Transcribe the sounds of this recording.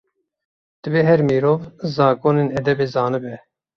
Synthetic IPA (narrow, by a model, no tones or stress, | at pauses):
d̪̥ɨveːɦɛɾmiːɾoːvzɑːkoːneːnɛd̪ɛbeːzɑːnɨbɛ